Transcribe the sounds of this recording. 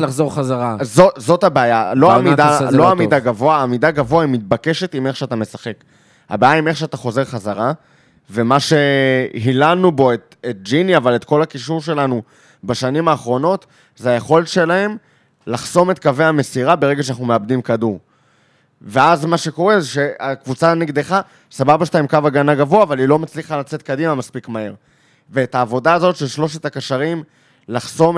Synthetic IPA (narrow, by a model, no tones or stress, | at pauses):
laχzoʁχazaʁazozo̞thabeajaloamid̪aloamidaɡavo̞aːmidaɡavoaimit̪̚bake̞ʃe̞timeχʃeat̪ame̞saχe̞k | ha̰beajaime̞χʃeat̪aχo̞ze̞ʁχazaʁa | ve̞maʃe̞ɦilanubo̞et | et̚d͡ʒiniavale̞tko̞lakiʃuʁʃ̬e̞lanu | baʃanimaːχʁo̞no̞t | zeajeχo̞letʃe̞lahe̞m | laχso̞met̪kaveame̞siʁabeʁe̞ɡeʃanaχnumeabdimkaduʁ | veazmaʃe̞ko̞ʁe̞zeʃe̞akvut͡saniɡd̪eχa | sababaʃtaimkavaɡanaɡavoaːvalilo̞mat͡sliχalat͡se̞t̪̚kadimamaspikmae̞ʁ | veːtaːvo̞daːzo̞tʃe̞lʃlo̞ʃetakaʃaʁim | laχso̞m